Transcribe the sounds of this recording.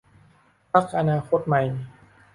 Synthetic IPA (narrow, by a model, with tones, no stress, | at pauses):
pʰa˦˥k̚ʔa˧naː˧kʰo˦˥t̪̚ma˧˩j